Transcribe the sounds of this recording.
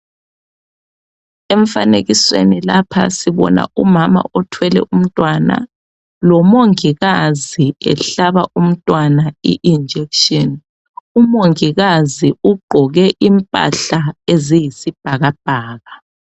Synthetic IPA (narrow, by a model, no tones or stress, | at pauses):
ɛɱfaneɣiswḛnilapʰa̰siβɔ̰na̰umama̰ɔtʰwɛlɛ̰ʔum̩tʼwana̰ | lɔmoŋiɣaziɛ̰ɬaβaʔum̩tʼwanaiʔind͡ʒʱɛkʃɔn | umoŋiɣaziuɡ͡ǃʱɔɣɛʔimpʼa̰ɬaezijisib̥ʱaɣab̥̚ʱaːɣa